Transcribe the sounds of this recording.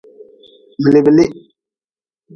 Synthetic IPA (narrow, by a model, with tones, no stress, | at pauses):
bə˨li˨bə˨li˦